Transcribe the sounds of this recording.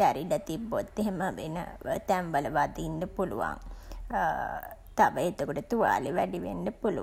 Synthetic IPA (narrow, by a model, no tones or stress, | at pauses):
æɾiɖət̪ibːot̪ːeɦeməʋenə̰t̪æmʋələʋad̪iːndəpulṵʋa̰ŋ | t̪aʋəet̪okuʈət̪uʋa̰ːliʋæɖiʋḛnɖəpulṵ